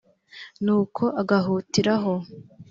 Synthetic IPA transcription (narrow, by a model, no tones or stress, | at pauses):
nuːkʰo̞ʔaɡaɦuːtiɾaɦo̞